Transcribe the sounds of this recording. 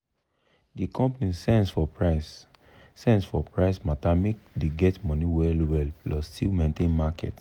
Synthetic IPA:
dikɔ̃mpanisɛ̃nsfɔpɹasː | ɛ̃ndsfɔpɹaɪsmatamekdeɡɛtmɔ̃niwɛlwɛlplɔstʰilmẽntẽnmakɛ̰t

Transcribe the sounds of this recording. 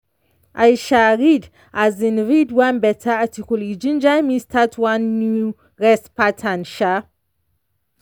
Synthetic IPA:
ʔajʃaɾid | azinɾidwãnbɛtʰaatikulid͡ʒĩnd͡ʒajmistʰatʰwanːu | ɾɛspatʰãnʃa

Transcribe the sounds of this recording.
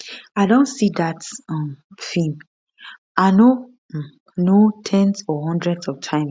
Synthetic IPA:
aɪdõntsidatɔ̃mfĩm | aɪno | notʰɛ̃nsɔɦɔ̃ndɹɛdsɔv̥tʰãɪ̃ms

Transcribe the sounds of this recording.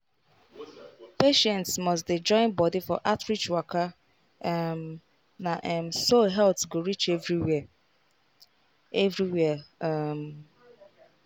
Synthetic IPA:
peʃɛ̃ntsmɔs̬tdid͡ʒɔ̃ɪ̃nbɔdifɔʔatɹit͡ʃwaka | m | naʔɛmsoɦɛltɡoɹit͡ʃevɹiw | evɾiwɛam

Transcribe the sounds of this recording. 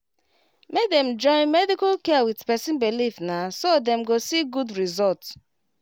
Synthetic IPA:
mek̚dɛ̃md͡ʒɔ̃ɪ̃nmɛdikalkɛwidpɛsĩnbilifnasodɛ̃mɡosiɡudɹizɔlts

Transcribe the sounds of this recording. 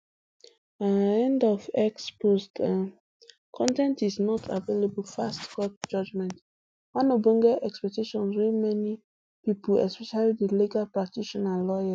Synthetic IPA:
anɛ̃ndɔvɛksposta | kʰɔ̃ntɛ̃ntisnɔtʰa̰velebulfastkɔt̚d͡ʒɔd͡ʒmɛ̃nt | wãnobĩŋɡɛʔɛkspɛk̚tiʃɔ̃nswimɛni | pipulɛ̰spɛʃalidəliɡalpɹak̚tiʃɔnalɔja

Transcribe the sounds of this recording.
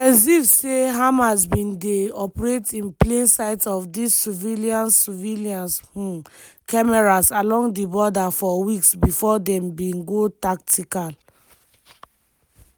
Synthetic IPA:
ɛs̬ifseɦãmasbĩndeɔpɹetĩnplẽnsaɪtɔfdisːiviliãnsiviliãnshũm | kamɛɹasalɔ̃ŋɡdibɔdafɔwiksbifɔdɛ̃mbĩnɡotak̚tikal

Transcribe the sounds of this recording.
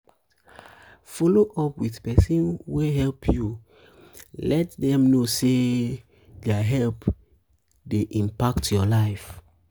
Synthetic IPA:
fɔloʔɔpwiθpɛsĩnweɦɛlpʰju | lɛtdɛ̃mnose | dɛaɦɛlp | deʔĩmpaktjɔlaɪf

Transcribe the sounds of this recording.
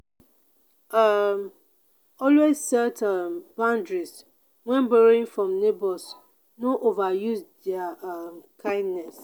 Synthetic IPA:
am | ɔlwezsɛtʰambãndɹis | wɛ̃nbɛɹɪ̃ŋfɹɔ̃mnebɔs | nõʔovajusdɛamkʰãɪ̃ndnɛs

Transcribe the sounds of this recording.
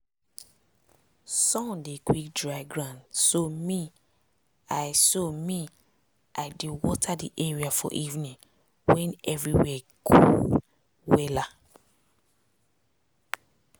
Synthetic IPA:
sɔ̃ndekwik̚dɹaɪɡɹãndsomi | ajsomi | ʔaɪdewɔtʰadiʔɛɹiafɔ̰ʔivnĩŋ | wɛ̃nɛvɹiwɛ | kʰṵ | wɛla

